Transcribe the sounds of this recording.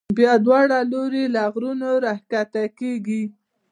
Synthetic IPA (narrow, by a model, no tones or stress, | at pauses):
bjɑd̪wɑɽaloɾelaɣɾunoɾahkat̪akeɡi